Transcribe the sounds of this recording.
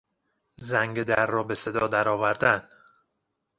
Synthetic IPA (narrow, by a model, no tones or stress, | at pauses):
zæŋɡed̪æɾːɒːbe̞se̞d̪ɒːd̪æɾɒːvæɾd̪æn